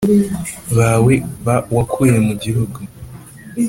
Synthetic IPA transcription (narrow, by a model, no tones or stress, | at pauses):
βaweβawakʰujemuɟiɦuɡu